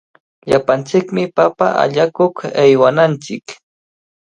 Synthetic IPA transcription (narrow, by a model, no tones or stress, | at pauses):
ʎapant͡sɪkmɪpapaʔa̰ʎakokajwanant͡sɪk